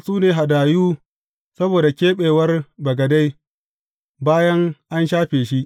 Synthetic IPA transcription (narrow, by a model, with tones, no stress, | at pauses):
suː˦neː˨ɦa˨daː˨juː˦ | sɐ˦boː˨da˨kʲeː˦ɓeː˨wɐ˦rbɐ˨ɡɐ˨da˦j | baː˦jɐ˦ŋʔa˦nʃaː˦ɸeː˨ʃi˦ʔ